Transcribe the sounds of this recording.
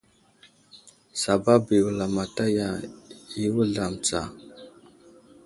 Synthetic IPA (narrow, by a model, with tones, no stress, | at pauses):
sa˨ba˦bi˨wu˨la˨ma˨ta˦ja˨i˦wu˦ɮa˨mt͡sa̰˨